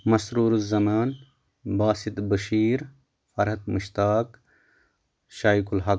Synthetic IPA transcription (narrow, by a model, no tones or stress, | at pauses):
mɐsɾuːɾuzɐmaːn | baːsit̪bɐʃiːɾ | fɐɾɦɐt̪mɨʃt̪aːk | ʃaːjkulɦɐ